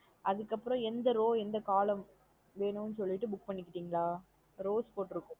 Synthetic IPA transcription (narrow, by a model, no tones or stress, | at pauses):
ʔɐðɯkːɐpːɯɾɔ̃ɛnd̪ɐɾoːɛnd̪ɐkaːlɐm | ʋeːnɯmnːɯsɔlːɪʈːɯbʊk̚pɐɳːɪkːɪʈːiːŋɡɐɭaː | ɾoːspoːʈːɪɾɯkːʊ̃